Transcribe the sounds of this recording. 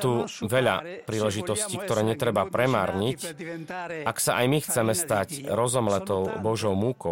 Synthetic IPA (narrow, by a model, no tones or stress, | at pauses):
t̪uʋɛʎa̰pɾiːlɛʒit̪ɔsciːk̚t̪ɔɾɛːɲɛt̪ɾɛbapɾɛmaːɾɲic | ʔaksaʔajmixt͡sɛmɛst̪acɾɔzɔmlɛt̪ɔʊbɔʒɔʊmukɔ